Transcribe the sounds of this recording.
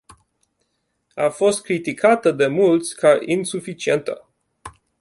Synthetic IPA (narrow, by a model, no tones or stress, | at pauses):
afo̞st̪̚kɾit̪ikʰat̪əd̪e̞mult̪sʲkaʔinsufit͡ʃie̞nt̪ə